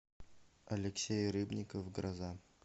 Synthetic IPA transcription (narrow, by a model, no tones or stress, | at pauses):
ɐlʲɪksʲejrɨbnʲɪkofɡɾɐza